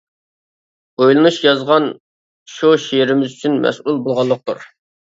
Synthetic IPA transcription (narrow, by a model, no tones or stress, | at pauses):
ojlˠɨnuʃjɑzʁɑn | ʃuʃejɪɾɪmɪzyt͡ʃʰynmɛ̰sulˠbolˠʁɑlˠːəq̚t̪ʰuɾ